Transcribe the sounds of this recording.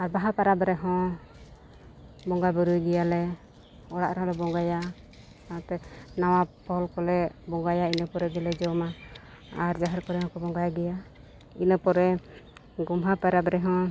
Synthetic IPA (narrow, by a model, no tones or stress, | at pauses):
aɾbaɦapaɾabɾɛɦɔ̃ | bɔŋɡabəɾujɡɛjalɛ | ɔɽa̰ʔɾɛɦɔ̃lɛbɔŋɡaja | at̪ɛnawapɔlkɔlɛbɔŋɡajainəpɔɾɛɡɛlɛd͡ʒɔma | aɾd͡ʒaɦaɾkɔɾɛɦɔ̃kɔbɔŋɡajɡɛja | inəpɔɾɛ | ɡɔmɦapaɾabɾɛɦɔ̃